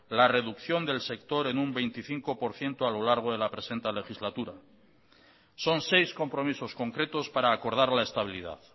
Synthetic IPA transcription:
lare̞ðukθjo̞nd̪e̞lse̞kt̪o̞ɾe̞numbe̞jnt̪iθiŋko̞po̞ɾθje̞nt̪oalo̞laɾɣ̞oð̞e̞lapɾe̞se̞nt̪ele̞xizlat̪uɾa | so̞nsejsko̞mpɾo̞miso̞sko̞ŋkɾe̞t̪o̞spaɾaːko̞ɾð̞aɾlae̞st̪aβilið̞a̰ð

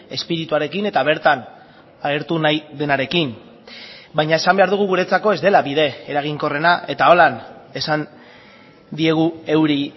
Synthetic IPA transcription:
e̞spiɾit̪uaɾe̞kine̞t̪aβ̞e̞ɾt̪an | aɣe̞ɾt̪unajðe̞naɾe̞kim | bajɲae̞sambe̞aɾðuɣ̞uɣuɾe̞t͡sako̞e̞zd̪e̞laβið̞e̞eɾaɣ̞iŋko̞re̞naʔe̞t̪ao̞lane̞san | d̪ie̞ɣ̞ue̞wɾi

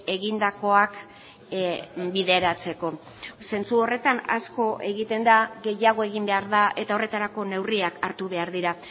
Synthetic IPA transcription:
e̞ɣind̪ako̞ak | biðe̞ɾat͡se̞ko̞ | se̞nt͡suo̞re̞t̪ana̰sko̞ʔe̞ɣit̪e̞nd̪aɣe̞jaɣ̞o̞e̞ɣ̞imbe̞aɾðaʔe̞t̪ao̞re̞t̪aɾako̞ne̞wriakaɾt̪uβe̞aɾðiɾa

